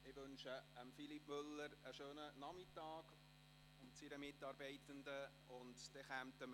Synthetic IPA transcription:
ɪʋønʃəəmfilipːmʏlːəɾəʃøːnənɑmɪtɑːɡ | ʊmt͡siɾəmɪtːɑːɾbɛɪtəndə | ʊntd̥ɛχæmtəm

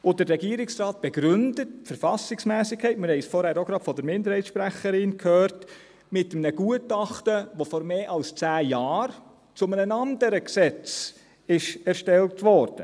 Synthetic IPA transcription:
od̥əɾrɛɡiəɾɪksrɑːt̚b̥ɛɡɾʏndətfəɾfɑsɪksmæːsɪkʰːɛɪtmɪɾhɛɪsfɔːɾhæɾoɡɾɑ̥ːfɔdəɾmɪndəɾhɛɪtsʃpɾæχəɾɪnkʰhœːɾt | mɪtəmnəɡ̥uətɑχtəʋofɔɾmeːʔɑlst͡sæːjɑːɾ | t͡sʊmənənɑndəɾəksɛt͡s | ɪʃɛɾʃtɛltʋɔːɾd̥ə

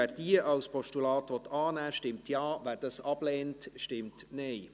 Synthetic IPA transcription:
æːɾd̥iəʔɑwspʰɔʃtulɑːtʋɔt̪ɑːnæːʃtɪmtʰjɑːvæːɾd̥ɑsɑblɛːntʃtɪmtnɛɪ

